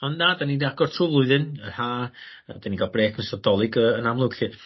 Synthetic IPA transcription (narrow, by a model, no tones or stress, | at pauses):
ɔnnaːdaninaɡ̥ɔrtʰrʊlˠʊɨðɨnərhaː | ədaniɡalˠbreːkʰnəsɔdɔlˠɪɡəənamlˠʊɡɬɨ